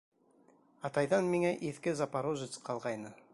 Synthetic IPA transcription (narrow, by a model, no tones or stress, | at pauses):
ɑt̪ɑjðɑnmiŋæʔiθkɘzɑpɑɾoʒɨt̪sqʰɑlˠʁɑjnɤ